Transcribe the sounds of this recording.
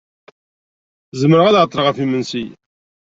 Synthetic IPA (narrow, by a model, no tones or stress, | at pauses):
zəməɾʁæðʕət̪ˤːɾəʁəfimənsi